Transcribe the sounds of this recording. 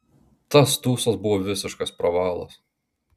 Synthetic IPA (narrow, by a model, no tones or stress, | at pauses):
t̪ɐst̪uːsɐsbʊʋoːʋʲɪsʲɪʃkɐspɾɐʋɑːlˠɐ̰s